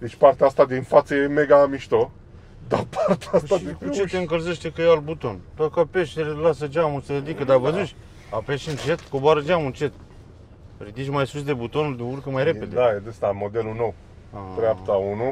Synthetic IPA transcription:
d̪et͡ʃʲpart̪eaast̪ad̪infat̪səjemeɡaːmiʃt̪o | d̪apʰart̪eaasad̪ikut͡ʃet̪eɨŋkəlzeʃt̪ekəjalbut̪o̞nt̪ot̪kapeʃseɾelasəd͡ʒamusəɾed̪ikəd̪avəzut͡ʃʲ | apeʃɨnt͡ʃe̞t̪koboaɾəd͡ʒamunt͡ʃe̞t̪ | rid̪it͡ʃʲmajsus̬d̪e̞but̪o̞nuld̪iurkəmajɾe̞ed̪eajed̪est̪amo̞d̪e̞luno̞w | at̪ɾeapt̪aunu

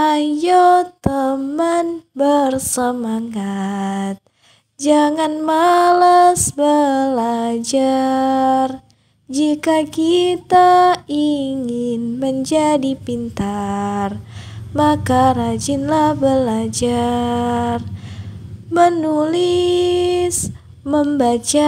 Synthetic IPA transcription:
ajot̪əmanbərsəmaŋat̪̚ | d͡ʒaŋanmalasbəlad͡ʒa | r | d͡ʒikakit̪aiŋɪnməɲd͡ʒadipint̪armakaɾad͡ʒɪnlahbəlad͡ʒa | r | mənuli | s | məmbat͡ʃa

